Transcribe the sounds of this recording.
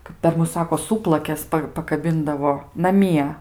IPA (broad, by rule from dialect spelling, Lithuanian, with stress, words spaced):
kɐp pʲɛr ˈmʊs ˈsɑːkoː ˈsuːplˠɐkʲɛs ˈpɐ pɐkɐˈbʲɪndɐʋoː nɐˈmʲiɛ